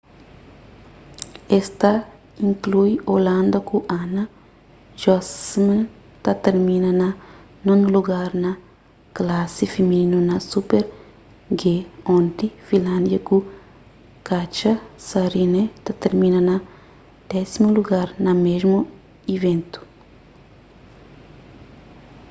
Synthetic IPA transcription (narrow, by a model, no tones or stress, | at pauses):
est̪ɐ | ĩŋklujolãnd̪ɐkuʔanɐ | ʒɔsmã | t̪ɐt̪eɾmĩnɐnɐ | nõnuluɡaɾnɐ | klasifimiinunɐsupeɾ | ɡeõnt̪ifĩlãnd̪jɐku | kat͡ʃɐsɐɾinet̪at̪eɾmĩnɐnɐ | d̪̥ɛsimuluɡaɾnɐmeʒmu | ivẽnt̪u̥